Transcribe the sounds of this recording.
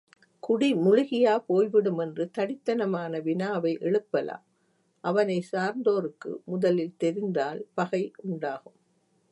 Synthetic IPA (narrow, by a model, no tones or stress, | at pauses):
kʊɽimʊɻʊɣɪjaːpoːjʋɪɽɯmɛndrɯt̪ɐɽɪt̪ːɐnɐmaːnɐʋɪnaːʋɐɪʔɛɭɯpːɐla̰ːm | ʔɐʋɐnɐɪsaːɾnd̪oːɾɯkːɯ̰mʊðɐlɪlt̪ɛɾɪnd̪aːlpɐɣɐɪʊɳɖaːɣɯm